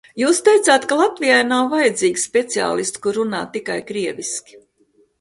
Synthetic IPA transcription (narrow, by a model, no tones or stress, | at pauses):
juːst̪ejt̪saːt̪kalˠat̪vijajnawvajɛd̪ziːɡʲspʲɛt̪sia̰ːlˠist̪kuɾːuna̰ːt̪ikajkɾiɛvʲiskʲi̥